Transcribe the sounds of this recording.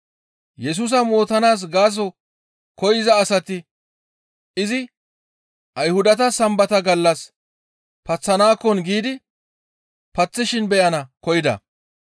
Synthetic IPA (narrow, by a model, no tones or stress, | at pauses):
jɛs̬uːs̬ɐmo̞ːt̪ɐnaːs̬ɡaːs̬ɔ | kɔjɪzɐːsɐt̪ɪ | ʔɪzɪ | ʔɐjhʊd̪ɐt̪ɐsɐmbɐt̪ɐɡɐlːɐs | pɐt͡sːɐnaːkːɔnɡiːd̪ɪ | pɐt͡sːɪʃɪnbɛjɐnɐkɔjɪd̪ɐ̰